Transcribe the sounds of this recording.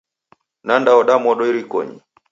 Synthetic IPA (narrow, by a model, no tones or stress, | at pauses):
nandaɔɗamɔɗɔiɾikɔ̰ɲḭ